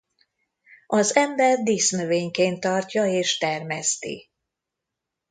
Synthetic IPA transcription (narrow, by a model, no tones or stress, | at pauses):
ɒzɛmbɛrd̪isnøveːɲkeːnt̪ːɒrcɒeːʃt̪ɛrmɛst̪ḭ